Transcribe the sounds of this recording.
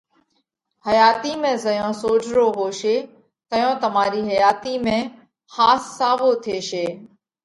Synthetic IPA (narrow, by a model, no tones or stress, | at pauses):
həjaːt̪iːmẽːzəjõːsoːd͡ʒɾoːɦoːʃeː | k̪əjõːt̪əmaːɾiːɦəjaːt̪iːmẽː | haːsːaːʋoːt̪ʰeːʃeː